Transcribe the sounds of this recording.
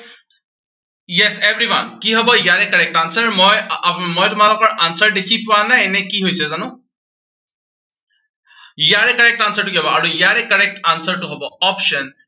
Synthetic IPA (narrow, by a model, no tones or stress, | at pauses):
jɛsevɹiwankiɦɔbɔjaɹɛkːəɹɛk̚tansəɹmɔjmɔjtʊmalɔkɔɹʔansəɹdekʰipʊwananɛkiɦojsɛzanũ | jaɹekːəɹɛk̚tansəɹtukiɦɔbɔaɹujaɹɛkːəɹɛk̚tansəɹtuɦɔbɔɔpʃən